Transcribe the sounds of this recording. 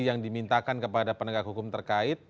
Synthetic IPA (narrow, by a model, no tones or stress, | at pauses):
jaŋdimint̪akankəpadapənəɡak̚ɦukʊmt̪ərkaɪt̪̚